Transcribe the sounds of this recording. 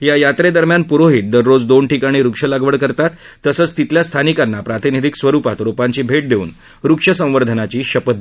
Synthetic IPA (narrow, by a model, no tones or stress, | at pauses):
jajat̪ɾed̪əɾmjanpuɾoɦiːt̪̚d̪əɾːod͡zd̪onʈikaɽ̃iːɾukʂəlaɡʋəɽkəɾt̪at̪ːəsəːt͡st̪it̪ljast̪ʰanikanːapɾat̪inid̪ʱiksʋəɾupat̪ɾopaɲt͡ɕiːbʱeʈ̚d̪eṵːn | ɾukʂəsə̃w̃ʋəɾd̪ʱənat͡ɕiːɕəpət̪̚